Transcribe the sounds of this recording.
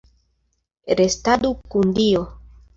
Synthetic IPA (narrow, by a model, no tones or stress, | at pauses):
ɾestadukundio